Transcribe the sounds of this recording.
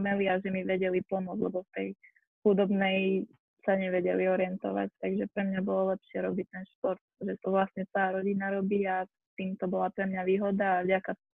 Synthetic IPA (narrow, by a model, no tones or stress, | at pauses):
mɛliaʒɛmiʋɛɟɛlipɔmʊɔd͡zlɛbɔft̪ɛj | xud̪ɔbnɛj | saɲɛʋɛɟɛliɔɾɪɛnt̪ɔʋa̰c̚t̪aɡʒɛpɾɛmɲabɔlɔlɛpʃɪɛɾɔbic̚t̪ɛnʃpɔɾt̪̚ʒɛt̪ɔʋlastɲɛt͡saɾɔɟinaɾɔbia | t̪iːmt̪ɔbɔlapɾɛmɲaʋiːɦɔd̪aːvɟaka